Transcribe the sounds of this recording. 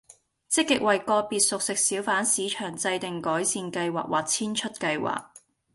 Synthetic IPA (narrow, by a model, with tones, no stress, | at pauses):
t͡sɪ˥kːɪ˨k̚wɐ˨jkɔː˧piː˨t̚sʊ˨k̚sɪ˨k̚siː˨˥wfaː˨˥nsiː˨˧t͡ʃʰœː˨˩ŋt͡sɐ˧jt̪ɪ˨ŋkɔː˨˥jsiː˨˧nkɐ˧jwa̰ː˨˩k̚waː˨k̚t͡sʰiː˥nt͡ʃʰɵ˥t̚kɐ˧jwa̰ː˨˩k̚